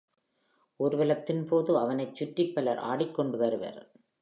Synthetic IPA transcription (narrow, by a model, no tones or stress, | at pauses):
ʔɔɾɯʋɐlɐt̪ːɪnpoːðɯɐʋɐnɐɪt͡ʃːʊʈːɪpːɐlɐɾʔa̰ːɽɪkːɔɳɖɯʋɐɾɯʋɐ̰ɾ